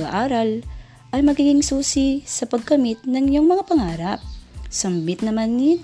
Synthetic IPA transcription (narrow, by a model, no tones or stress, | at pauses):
aʔaːɾɐl | ʔɐjmɐɡiːɡɪŋsuːsisɐpɐɡkɐmɪt̪̚nɐŋɲoŋmɐŋapɐŋaːɾɐp̚sɐmbɪt̪̚nɐmanːit̪